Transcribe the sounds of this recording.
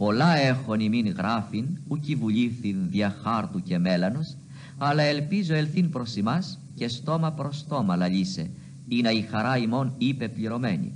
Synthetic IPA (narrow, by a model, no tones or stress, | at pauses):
po̞lɐe̞xoniminɣɾɐfinucivuʎiθinðiɐxɐɾt̪uce̞me̞lɐnos | ɐlɐe̞lpizoe̞lθinpɾo̞simɐs | ce̞st̪o̞mɐpɾo̞st̪o̞mɐlɐʎise̞ | inɐixɐɾɐimo̞nipe̞pliɾo̞me̞ɲḭ